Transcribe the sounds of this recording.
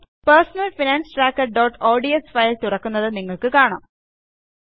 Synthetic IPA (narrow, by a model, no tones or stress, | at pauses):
pɐrsɐnɐlfinaːnsʈɾaːkːɐʈ̚ɖoːʈoːɖiesfɐjlt̪urɐkːunːɐðɨniŋːɐɭkɨkaːɳaːm